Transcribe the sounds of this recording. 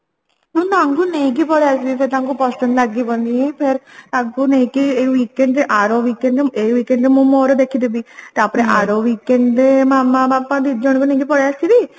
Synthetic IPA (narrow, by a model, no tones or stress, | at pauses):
unaŋɡuneːkipɔɽjaːst̪id̪ipeɾt̪aŋkupɔst̪ɐnlɐɡːibond̪iẽpʰeɾt̪akunekieʋiːkːeɳɖʔaɾoːʋiːkeɳɖeːʋiːkeɳɖmumoːɾod̪ekʰːid̪ebit̪aːpɾeʔaɾoːʋiːkeɳɖmamːapapːãd̪id̪d͡ʒoɳkuneːɡipɔɽjaːst̪id̪i